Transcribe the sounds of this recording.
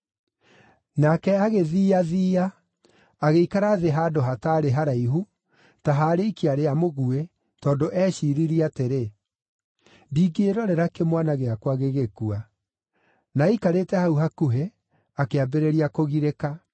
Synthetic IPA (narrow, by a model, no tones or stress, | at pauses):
nakɛaɣeðiːaðiːaː | ɣeikaɾaðeɦaːdoɦataɾeɦaɾaiɦu | taɦaɾeikiaɾeamoɣue | tɔːndoʔɛːɕiɾiɾiateɾe | diːɡeːɾɔɾɛɾakemwanaɣeakwaɣeɣekua | naikaɾetɛhauɦakuɦe | akeabeɾeɾiakoɣiɾeka